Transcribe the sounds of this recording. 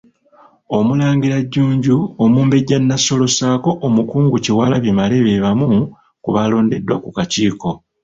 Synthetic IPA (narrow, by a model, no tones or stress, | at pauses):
o̞mulaːŋɡiɾaɟːuːɲɟuomuːmbe̞ɟanːaso̞lo̞saːko̞ʔomukuːŋɡuciwaːlaβimale̞βe̞βamu | kuβalo̞ːnde̞dːwakukaciːko̞